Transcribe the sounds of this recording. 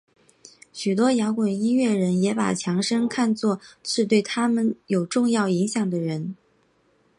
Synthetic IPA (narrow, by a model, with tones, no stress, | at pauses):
ɕy˨˩t̪̬wɔ˥jɑ˧˥ʊkwa˨˩ni˥nɥɛ˥˩ɻə˧˥njɛ˧˥pa̰˨˩t͡ɕʰjɑ˧˥ŋʂə˥ŋkʰa˥˧nt͡swɔ˥˧t͡sʰɻ̩˥˧t̪we˥˩ɪt̪ʰa˥mə˨njo˨˩ʊʈ͡ʂʊ˥˧ŋjɑ˥˩ʊi˧˥ŋɕjɑ˨˩ŋd̪ə˩ɻə˧˥n